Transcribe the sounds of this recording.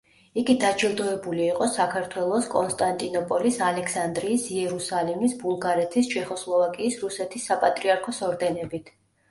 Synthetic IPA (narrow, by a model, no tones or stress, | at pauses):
iɡid̪ad͡ʒɛd̪ɔɛbuliːqʼɔsakʰaɾt̪ʰwɛlˠɔskʼɔnst̪ʼant̪ʼinɔpʼɔlisalɛksand̪ɾiːsiɛɾusalimisbulˠɡaɾɛt̪ʰist͡ʃʰɛχɔslˠɔvakʼiːsɾusɛt̪ʰisːapʼat̪ʼɾiaɾkʰɔsɔɾd̪ɛnɛbit̪ʰ